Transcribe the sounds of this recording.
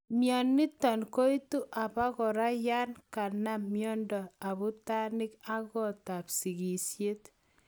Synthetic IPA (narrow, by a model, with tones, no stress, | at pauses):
mjɔ˨nːɪ˦tɔ˨nko˦i˦tu˦ʔa˨βa˦kɔ˨ɾa˦ja˦nka˨na˦mjɔ˦ndɔ˨a˨βu˦ta˦nɪ˦ka˦kɔ˦˨ta˨psi˨ɣi˨sje˦t